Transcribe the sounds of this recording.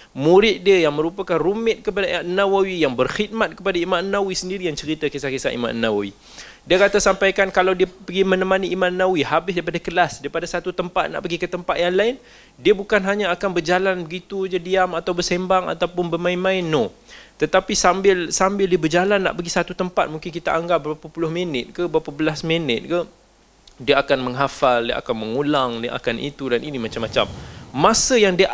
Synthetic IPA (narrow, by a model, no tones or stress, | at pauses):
muɾɪt̪̚diəjaŋmə̃ɾupakanrumɪt̪̚kəpadaanːawawijaŋbərxit̪̚mat̪̚kəpadaimãnːawisəndiɾijaŋt͡ʃəɾit̪akisakesa̰ʔḭma̰ʔnːa̰wa̰wḭ | diəkat̪asampajkankalawdiəpəɡimə̃nəmãniʔimãnːawihabɪsdaip̬adakəlasdaɾipadasat̪ut̪əmpat̪̚na̰ʔpəɡikət̪əmpat̪̚jaŋlaɪn | diəbukanɦaɲaːkanbərd͡ʒalanbəɡit̪ud͡ʒadiamat̪awbərsɛmbaŋa̰t̪awpʊnbəmãɪnmãɪnːot̪ət̪apisambɪlsambɪldiəbərd͡ʒalanːa̰ʔpəɡisat̪ut̪əmpat̪̚muŋkɪnkit̪aʔaŋɡap̚bəɾapapulʊhmənɪt̪̚kabəɾapabəlasmənɪt̪̚ka | diəakanmə̃ŋɦafaldiəʔa̰kanməŋulaŋdiʔa̰kanʔḭt̪udanʔinimat͡ʃamːat͡ʃa̰mːãsəjaŋdiə